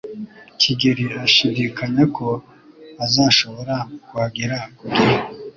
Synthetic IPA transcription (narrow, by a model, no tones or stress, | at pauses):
kʰiɡiɾiaʃidikaɲekʰo̞ | azaːʃo̞βo̞ɾakuwaɡiɾakuɡiɾi